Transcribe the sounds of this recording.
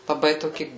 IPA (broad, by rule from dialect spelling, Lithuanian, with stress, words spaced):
lˠɐˈbɐɪ toːˈkʲɪ